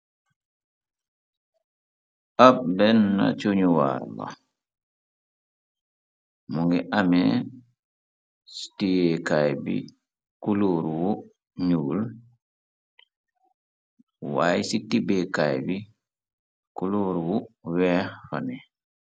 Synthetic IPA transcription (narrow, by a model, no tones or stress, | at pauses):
ʔapbɛnːa̰t͡ʃoɲuwa̰ɾla̰ | muŋɡiʔamɛ | si̥tijekajbḭ | kuluɾwu | ɲuːl | wa̰jsitibekajbi | kuluɾwuwɛfani